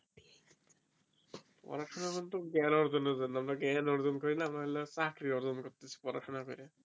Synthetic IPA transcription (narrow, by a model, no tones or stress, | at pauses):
pɔ̰ɾaʈʰɔnakɔnt̪ɔɡɛnɔɾzɔnɔzanamnaɡɛnɔɾzɔnkɔɹilaːmaɦɛlasakɾiɔɾzɔnkɔɾt̪isi̥pɔɾa̰kʰɔnapɛɾɛ